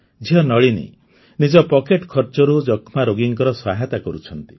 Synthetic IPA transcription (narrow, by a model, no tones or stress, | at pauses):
d͡ʒʱiɦɔnɔɭinḭ | nid͡ʒɔpɔkeʈkʰɔɾt͡ʃɔɾud͡ʒɔkʰmaɾoɡiŋkɔɾɔswaɦet̪akɔɾut͡ʃʰɔnt̪i̥